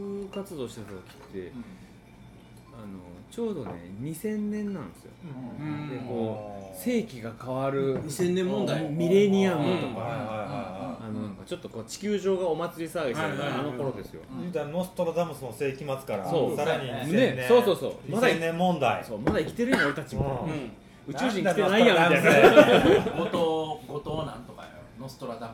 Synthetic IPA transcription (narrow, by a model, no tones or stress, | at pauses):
ɯkat͡sɨd̪o̞ːɕi̥t̪at̪at̪okʲi̥t̪ːe̞̰ | ano̞̰t͡ɕo̞ːd̪o̞̰nḛɲ̟isẽ̞nːẽ̞nːãnd̪esɨjo̰d̪eko̞ːse̞ːkʲiɡakaβaɾɯ̟ɲisẽ̞nːẽmːõnd̪aimʲiɾe̞ɲ̟ʲiamot̪okaahaiaihaianonãŋkat͡ɕo̞t̪ːo̞ko̞ːt͡ɕi̥kʲɨːʑo̞ːɡao̞mat͡sɨɾʲisaːɡeaano̞ko̞ɾo̞d̪e̞sɨjo̞̰ɯd̪aɾno̞sɨ̥t̪o̞ɾad̪amɯsɨnose̞ːkʲimat͡sɨ̥kaɾa̰sosaɾaɲ̟iseneeoːso̞ːso̰ːmasẽnːemːõ̞nd̪aḭsoːmad̪aikʲi̥t̪e̞ɾɯjoaɾik̪at͡ɕiɯ̃ | ɯt͡ɕɨːʑĩŋit̪enaijamiaine | ɡot̪oɡot̪oːnãnt̪okanost̪oɾad̪am